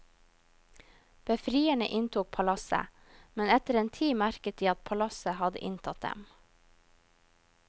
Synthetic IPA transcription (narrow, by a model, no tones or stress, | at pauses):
b̥əfɾiːəɳə̰ʔɪnt̪ʰuːk̚pʰɑlɑsə̰ | mɛnɛt̪əɾeːnt̪ʰiːmæɾkət̪̚d̪iːɑt̪̚pʰɑlɑsəhɑd̪ə̰ʔɪnt̪ʰɑt̪̚d̪ɛ̰m